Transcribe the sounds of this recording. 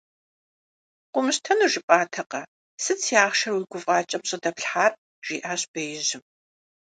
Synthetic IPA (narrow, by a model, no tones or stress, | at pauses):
qʷʊmɨɕtʰɐnuʒɪpʼaːtʰɐqɐ | sɨt͡sʰjaːχʃɐrwuɮɡʷʊvʁɑːt͡ʃʼɐpɕʼɪdɐpɬħaːp̚ʼ | ʒ̥iːʔaːɕb̥ɐjɪʑɪm